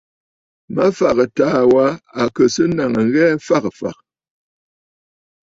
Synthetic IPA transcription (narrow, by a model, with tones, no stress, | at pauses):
ma˦fa˨kə˨taː˨˦wa˨˦a˨kə˨sə˦na˨ŋə˨ŋ̩˦ɣɛ˦fa˦kfa̰˨k̚